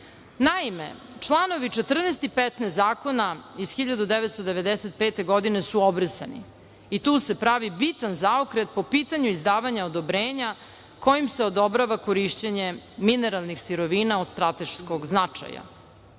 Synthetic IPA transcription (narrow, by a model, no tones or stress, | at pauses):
naimḛ | t͡ʂlˠano̞ʋit͡ʃet̪r̩nest̪ipɛt̪nesaːko̞naiz̥xiʎad̪ud̪eʋet̪st̪od̪eʋe̞d̪eset̪̚peːt̪e̞ɡo̞d̪inesuobɾəsa̰nḭ | it̪uːse̞pɾaʋibit̪anzaokɾet̪̚po̞piːt̪aɲuizd̪aːʋaɲaod̪o̞bɾeːɲa | ko̞jimseod̪o̞bɾaʋakoɾiʃt͡ɕeɲe̞mineɾalˠnixsiɾoʋiːnaod̪st̪ɾat̪e̞ʃskoɡznat͡ʂa̰ja̰